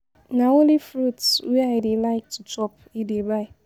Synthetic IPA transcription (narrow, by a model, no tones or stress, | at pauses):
naolifɾutsweaɪdɪlaɪk̚tʊt͡ʃɔp | idebaɪ